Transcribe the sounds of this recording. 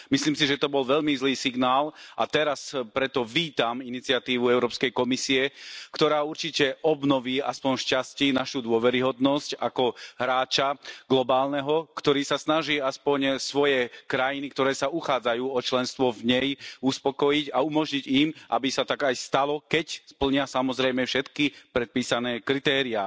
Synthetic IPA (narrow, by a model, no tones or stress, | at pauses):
misliːmsiʒɛt̪ɔbɔlʋɛʎmizliːsiɡnaːlʔa̰t̪ɛɾaspɾɛt̪ɔʋiːt̪aminit͡siɪat̪iːʋuɛʊɾɔːpskɛjkɔmisiɛkt̪ɔɾaːuɾt͡ʃicɛʔɔbnɔʋiːaspɔɲʃcasciːnaʃud̪ʊɔʋɛɾiɦɔd̪nɔscakɔɦɾaːt͡ʃaɡlɔbaːlnɛɦɔkt̪ɔɾiːsasnaʒiːaspɔɲsʋɔjɛkɾajinikt̪ɔɾɛːsauxaːd͡zajuːɔt͡ʃlɛnst̪ʋɔvɲɛjuspɔkɔjiɟaumɔʒɲiɟimʔa̰bisat̪aɡajst̪alɔkɛcspl̩ɲɪasamɔzɾɛjmɛfʃɛt̪kipɾɛt̪̚piːsanɛːkɾit̪ɛːɾia